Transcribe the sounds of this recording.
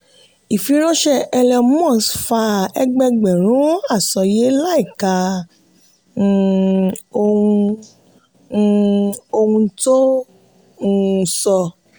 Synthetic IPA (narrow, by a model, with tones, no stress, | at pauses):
i˨fi˨˦ɾ̃ɔ̃˦ʃɛ˦ɛ˧lɛ˧mɔ̃˦˨sfa˧ɛ˧ɡ͡bɛ˧ɡ͡bɛ˨ɾ̃ũ˨˦a˦˨sɔ˨je˨˦la˦i˦˨ka˧˨ | o˧ũ˧˨ | o˧hũ˧to˦ | ũ˦˧˨sɔ˧